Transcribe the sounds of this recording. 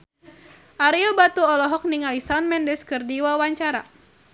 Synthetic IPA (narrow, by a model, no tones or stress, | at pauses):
ʔaɾiɔbat̪uɔlɔɦɔk̚niŋalisanmɛndɛskɨrdiwawaɲt͡ʃaɾa̰